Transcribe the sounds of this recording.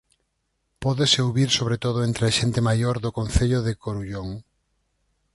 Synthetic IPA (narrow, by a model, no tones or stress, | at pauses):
pɔðeseoβiɾsoβɾet̪oðʊent̪ɾeaʃent̪emajoɾðʊkõn̟θeʎʊðekoɾuʎoŋ